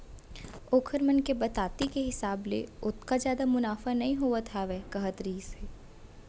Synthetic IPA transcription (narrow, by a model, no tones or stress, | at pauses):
oːkʰəɾmənkebɐt̪aːt̪ikeɦɪsaːblḛʊt̪ʰkazjaːd̪amʊnaːfanɐɦĩɦoat̪ʰaʋeːkɐɦət̪ɾiːseː